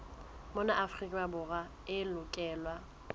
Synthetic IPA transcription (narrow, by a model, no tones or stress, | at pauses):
mɔnaʔafrikʼawabʊɣa | ɪlʊkʼɛːlwa